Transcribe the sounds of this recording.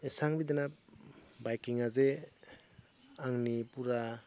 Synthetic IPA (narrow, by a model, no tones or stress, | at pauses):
esaŋbidena | bajkiŋaze | aŋnipuɾa